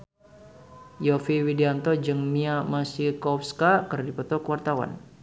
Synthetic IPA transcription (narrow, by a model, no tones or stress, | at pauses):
jɔfiwidiant̪ɔd͡ʒəŋniamasikɔfskakərdipɔt̪ɔkəwart̪awa̰n